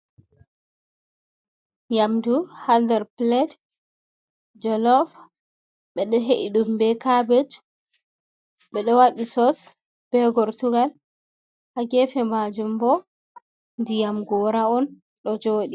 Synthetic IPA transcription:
jamduhaldɛɾplɛd | d͡ʒɔlɔf | ɓɛɗɔɦeʔiɗumbɛkabɛd͡ʒ | ɓɛɗɔwaɗisɔs | b̥ɛɡɔɾtuɡal | haɡɛfɛmad͡ʒumbɔ | ndijamɡɔːɾaɔn | ɗɔd͡ʒoːɗi

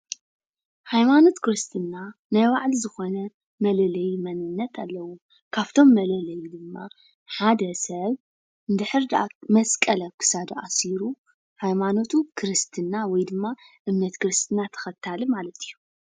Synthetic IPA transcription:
hajmano̞t̪kʰɨɾɨst̪ʰɨnːanajwaʕlizɨxo̞nɐ | mɐlɐlɐjmɐnɨnːɐt̪ʰalːɐwu | kʰaβt̪ʰo̞mːɐlɐlɐjid̪ɨmːa | ħad̪ɐsɐβ | nd̪ɨħɨɾd̪ʔamɐskʼɐlɐkʰɨ̥sad̪ɐʔasiɾu | hajmano̞t̪ʰukʰɨɾɨst̪ʰɨnːawɔjd̪ɨmːaʔɨmnɐt̪kɨɾɨst̪ʰɨnːat̪ʰɐ̥xɐt̪ʰːalɨmalɐt̪i̥jːu

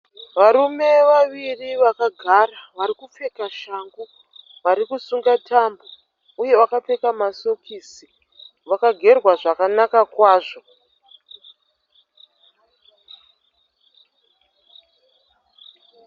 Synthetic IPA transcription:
ʋaɾume̞ʋaʋiriʋakaɡʱaraʋaɾikup͡fe̞kaʃaŋɡu | ʋaɾikusuŋɡatambo | uje̞ʋakap͡fe̞kamasokiːsi | ʋakaɡʱe̞rwaʐakanakakwaːʐo̞

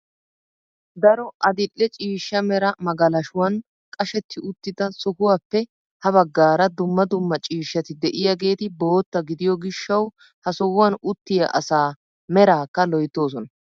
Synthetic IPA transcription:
d̪ɐɾɔʔɐd̪ɪlːɛt͡ʃʼiːʃːɐmɛɾɐmɐɡɐlɐʃʊwɐn | kʼɐʃɛt̪ːɪʔʊt̪ːɪd̪ɐsɔkʊwaːpːɛ | hɐβɐɡːaːɾɐd̪ʊmːɐd̪ʊmːɐt͡ʃʼiːʃːɐt̪ɪd̪ɛʔɪjaɡe̞ːt̪ɪbo̞ːt̪ːɐɡɪd̪ɪjɔɡɪʃːɐw | hɐsɔwwɐnʊt̪ːɪjɐ̰ʔɐsaː | mɛɾaːkːɐlɔjt̪ːo̞ːs̬ɔnɐ

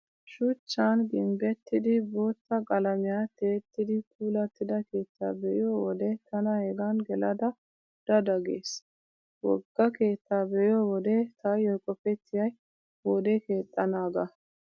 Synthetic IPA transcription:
ʃʊt͡ʃːanɡɪmbɛt̪ːɪd̪ɪbo̞ːt̪ːɐkʼɐlɐmɪjaːt̪eːt̪ːɪd̪ɪpʰuːlɐt̪ːɪd̪ɐke̞ːt̪ːa̰ːbɛʔɪjowɔd̪ɛt̪ɐnɐhɛɡɐnɡɛlɐd̪ɐ | d̪̥ɐd̪ɐɡḛːs | wɔɡːɐke̞ːt̪ːaːbɛʔɪoːwɔd̪ɛt̪ʰɐjɔjkʼːɔfɛt̪ːɪjɐj | wɔd̪ɛke̞ːt̪ʼːɐnaːɡɐ

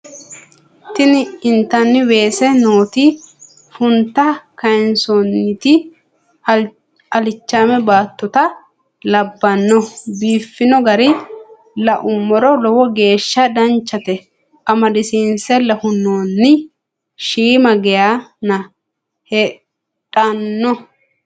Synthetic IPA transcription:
t̪ɪnɪɪnt̪ːɐnːɪwe̞ːsɛnoːt̪i | fʊnt̪ːɐkɐjnsɔnːɪt̪ɪ | ɐlɪt͡ʃːaːmɛbaːt̪ːɔt̪ɐ | lɐbːɐnːɔbiːfːɪnɔɡɐɾɪ | lɐʔʊmːɔɾɔlɔwɔɡe̞ːʃːɐd̪ɐnt͡ʃːɐt̪ɛ | ʔɐmɐd̪ɪsiːnsɛlɐhʊnːoːnːɪ | ʃiːmɐɡɛjaːnɐ | hɛ | tʼɐnːɔ

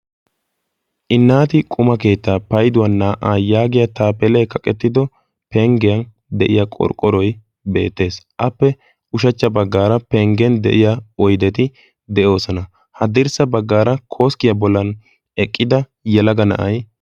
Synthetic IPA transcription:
ʔɪnːaːt̪ɪkʼʊmɐke̞ːt̪ːaːpɐjd̪ʊwɐnːaːʔaːjaːɡɪjɐt̪aːpɛlɛkɐkʼɛt̪ːɪd̪ɔ | pɛŋɡɛjɐn | d̪ɛʔɪjakʼɔ̰ɾkʼːɔɾɔj | be̞̰ːt̪ːe̞ːsʔɐpːɛ | ʊʃ̬ɐt͡ʃːɐbɐɡːaːɾɐpɛŋɡɛnd̪ɛ̰ʔɪjaɔjd̪ɛt̪ɪ | d̪ɛʔo̞ːsɔnɐ | hɐd̪ɪɾsɐbɐɡːaːɾɐkʰo̞ːskɪjɐbɔlːɐn | ɛkʼːɪd̪ɐ | jɛlɐɡɐnɐ̰ʔɐj

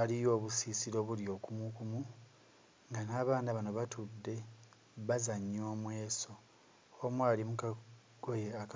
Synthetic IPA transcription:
alijo̞ːβusisiɾo̞ːβuljo̞ːkumukumu | ŋɡanaːβaːnaβano̞βatudːe̞ | βazaɲːo̞ːmwe̞ːso̞ | omwaːlimuka | ɡ̥ojeak

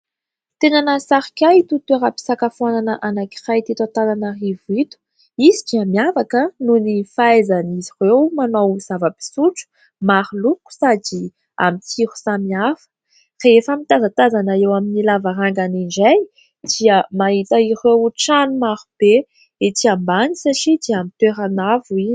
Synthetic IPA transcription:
t̪enanəsaɾikʲajit̪ut̪eɾapi̥sakafuananəʔanaki̥rajt̪it̪at̪ananərivit̪u̥ | izid͡ʒiəmiavakənunifaezanizirewmanowz̥avəbi̥suʈ͡ʂu̥ | maɾuluku̥sadi | a̰mit̪ʰiɾu̥samiafə̥ | reefamit̪azat̪azanaewaminilavaɾaŋɡaniɳd͡ʒaj | d̪̥iəmaɦit̪əiɾewʈ͡ʂanumaɾub̥e | et̪iambanisaʈ͡ʂid̪iamit̪eɾanavui

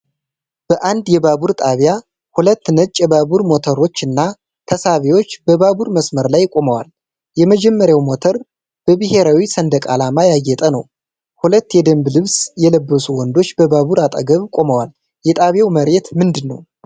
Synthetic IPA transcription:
b̥əʔand̪jɛbaβuɾt̪ʼaβja | hulət̪ːnət͡ʃʼːɛbaβuɾmo̞t̪ʰəɾo̞t͡ʃːɨnːa | t̪ʰəsaβewo̞t͡ʃːbəβabuɾməsməɾlajkʼo̞məwal | jɛməd͡ʒɛmːəɾjawmo̞t̪ʰəɾ | b̥əbɨhe̞ɾawisənd̪əkʼalamajajːɛt̪ʼənəw | hulət̪ːjɛd̪əmblɨβsjɛləbːəsuwɔnd̪o̞t͡ʃːbəbaβuɾat̪ʼə̰ɡəβkʼo̞məwal | jɛt̪ʼaβjawməɾet̪mɨnd̪ɨnːə̰w

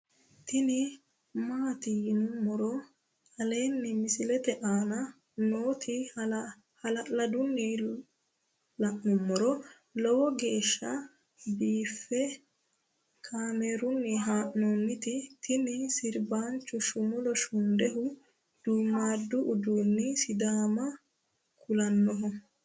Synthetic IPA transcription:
t̪ɪnɪ | maːt̪ɪjɪnʊmːɔɾɔ | hɐle̞ːnːɪmɪsɪlɛt̪ɛʔaːnɐ | noːt̪ʰɪ | hɐlɐlɐd̪ʊnːɪ | lɐʔnʊmːɔɾɔ | lɔwɔɡe̞ːʃːɐ | biːfːɛ | kʰaːmeːɾʊnːɪɦaːʔnɔnːɪt̪ɪt̪ɪnɪsɪɾbaːnt͡ʃːʊʃʊmɔlɔʃʊnd̪ɛɦʊ | d̪̥uːmːaːd̪ːʊʔːd̪uːnːɪsɪd̪aːmɐ | kʊlɐnːɔɦɔ

